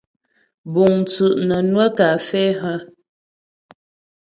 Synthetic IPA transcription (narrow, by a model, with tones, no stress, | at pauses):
bu˨ŋ˨t͡sʉ˨ʔnə˨nwə˦ka˨fɛ˦ɦə˦